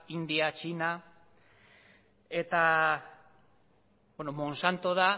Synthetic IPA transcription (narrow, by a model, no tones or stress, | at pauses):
ind̪iat͡ʃina | e̞t̪a | benomo̞nsant̪o̞ða